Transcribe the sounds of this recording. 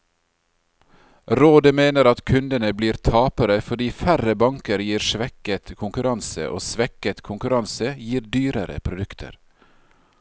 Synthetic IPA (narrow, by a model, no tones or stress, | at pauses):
ɾoːd̪əmeːnəɾɑt̪kʰʉnd̪ənəbliːɾt̪ʰɑːpəɾəfɔɖiːfæɾəbɑŋkəɾjiːɾʃʋɛkət̪kʰʊŋkʉɾɑnsə̰ʔo̰ːsʋɛkət̪kʰʊŋkʉɾɑnsəjiːɾd̪yːɾəɾə̰pʰɾʊd̪ʉkt̪ʰə̰ɾ